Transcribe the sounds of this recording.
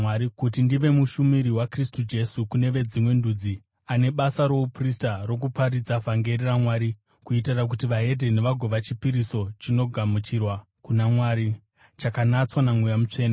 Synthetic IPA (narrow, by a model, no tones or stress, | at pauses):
aɾikutindiʋe̞muʃumiɾiwakristud͡ʒe̞sukune̞ʋe̞d͡zimwe̞ndud͡zi | ane̞ɓasaɾo̞upristaro̞k̬upaɾid͡zavʱaŋɡe̞riramwaːɾi | kuitirak̬utiʋae̞dʱe̞ne̞ʋaɡʱo̞ʋat͡ʃipiɾiso̞t͡ʃino̞ɡʱamut͡ʃirwa | kunamwaɾi | t͡ʃakanat͡swanamwujamut͡ʂe̞ːna